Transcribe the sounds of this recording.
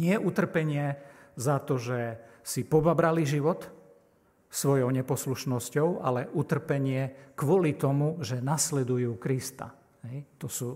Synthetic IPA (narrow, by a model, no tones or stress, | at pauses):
ɲɪɛʔut̪r̩pɛɲɪɛzat̪ɔʒɛsipɔbabɾaliʒiʋɔt̪ | sʋɔjɔʊɲɛpɔsluʃnɔscɔʊa̰lɛʔut̪r̩pɛɲɪɛkʋɔlit̪ɔmuʒɛnaslɛd̪ujuːkɾist̪a̰ | ɦɛjt̪ɔsuː